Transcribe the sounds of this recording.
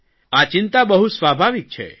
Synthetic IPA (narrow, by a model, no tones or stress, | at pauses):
at͡ʃɪnt̪abəɦusʋabʱaʋik̚t͡ʃʰḛ